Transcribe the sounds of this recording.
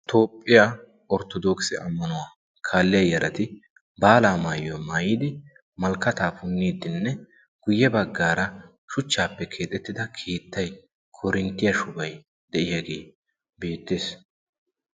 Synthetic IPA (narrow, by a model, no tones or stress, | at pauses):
t̪ʰo̞ːpʼːɪjaː | ɔɾt̪ɔd̪oːksɪʔɐmːɐnʊwaː | kʰaːlːɪjɐjɐɾʔɐt̪ɪ | baːlaːmaːjomaːjiːd̪ɪ | mɐlkːɐt̪aːfʊnːiːd̪ɪnːɛ | ɡ̥ʊjːɛbɐɡːaːɾɐ | ʃʊt͡ʃːaːpːɛkʰe̞ːt̪ʼɛt̪ːɪd̪ɐkʰiːt̪ːɐj | kʰɔɾɪnt̪ːɪjɐʃʊbɐj | d̪ɛʔɪjaɡe̞̰ː | beːt̪ːeːs